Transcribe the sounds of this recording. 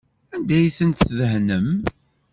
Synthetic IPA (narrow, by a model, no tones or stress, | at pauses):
ænd̪æjsənt̪θðəhnəm